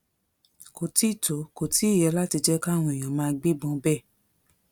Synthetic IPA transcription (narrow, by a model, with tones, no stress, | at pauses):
ko˨ti˦˨to˨˦ko˨ti˦i˦˨jɛ˧la˦ti˧d͡ʒɛ˦ka˦˨w̃ɔ̃˧˨i˨j̃ɔ̃˨mãː˧ɡ͡bi˦ɡ͡bɔ̃˧˦bɛ˦˨